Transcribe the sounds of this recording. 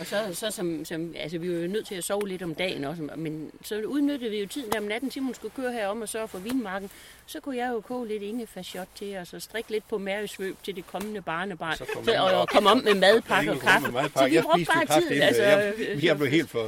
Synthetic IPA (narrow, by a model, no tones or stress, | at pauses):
ɒ̽sɒ̽sɒ̽sɒ̽msɒ̽mælsəʋiʋɑ̈jo̝nøð̰ˠt͡sʰe̝æsɒʊle̝d̥ɒ̽md̥ɛ̰ːn̩ɒ̽səmensɒ̽uð̞ˠnød̥əð̩ˠʋijo̝t͡sʰið̰ˠn̩d̥æɐmenæd̥n̩simhunsɡ̥ukʰøːɐɦæɐɒ̽mɒ̽sɒfɔ̽ʋḭːnmɑ̈ːɡ̥n̩ | sɒ̽kʰujɑ̈ɪjo̝kʰɔ̰̽ːle̝d̥e̝ŋəfæsɒ̽d̥̚t͡sʰe̝ɒsɒ̽sd̥ʁeɡ̥le̝d̥̚pʰɒ̽mæɐjəsʋø̰ːb̥t͡sʰe̝ld̥e̝kʰɒ̽mənəb̥ɑ̈ːnəb̥ɑ̰̈ːnsɒɒkʰɒ̽mɒ̽b̥̰memɛðˠpʰɑ̈ɡ̥əɒkʰɑ̈əɒʋib̥ʁɔ̽ɡ̥b̥ɑːið̰ˠælsəjblehe̝̰ːld̥f